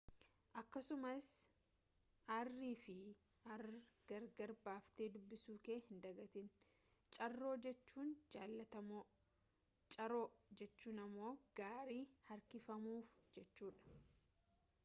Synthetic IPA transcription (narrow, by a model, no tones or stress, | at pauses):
ʔɐkːɐsʊmɐs | ʔɐrːiːfɪ | ʔɐrɡ̥ɐɾɡɐɾbaːft̪eːd̪ʊbːɪsuːke̞ːhɪnd̪ɐɡɐt̪ɪn | t͡ʃʼɐrːo̞ːd͡ʒɛt͡ʃːuːnd͡ʒaːlːɐt̪ɐmoː | t͡ʃʼɐɾo̞ːd͡ʒɛt͡ʃːuːnɐmːo̞ːɡ̥aːɾiːhɐɾkɪfɐmuːfd͡ʒɛt͡ʃːuːᶑɐ̥